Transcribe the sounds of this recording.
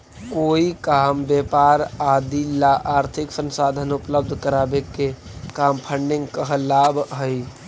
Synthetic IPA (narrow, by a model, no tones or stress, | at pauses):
koːikaːmbjepaːɾaːd̪ʱilaʔaːɾt̪ʰɪksə̃nsaːd̪ʱənʊpləb̚d̪ʱkəɾaːbekekaːmpʰəɳɖɪ̃ŋɡkəɦlaːbɦəi